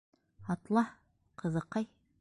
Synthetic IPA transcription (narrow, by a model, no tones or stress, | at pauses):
ɑt̪lˠɑ | qʰɤ̆zɤ̆qːɑj